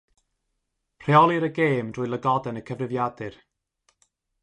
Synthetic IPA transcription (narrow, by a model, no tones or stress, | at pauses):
pʰr̥eɔlˠiɾəɡeːmd̥ʊːɨlˠəɡɔdɛnəkʰəvrɨvjadɨr